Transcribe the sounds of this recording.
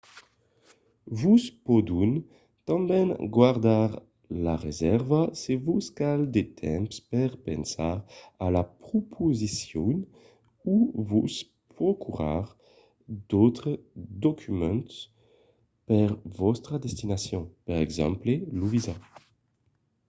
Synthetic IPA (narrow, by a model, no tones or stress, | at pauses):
vuspod̪un | t̪ɑ̃mbɛnɡwaʁd̪aʁ | laʁezɛʁvasevuskald̪et̪ʰɛ̰̃mpspɛʁpɛ̰̃nsaʁalapχopʰozisjɔn | uvus | pχɔkʰyʁa̰ʁ | d̪̥ot̪χəd̪okʰymɑ̃nt̪ | pɛʁvɔst̪χad̪ɛst̪inasjɔ̃pɛʁɛɡzɑ̰̃mpleluviza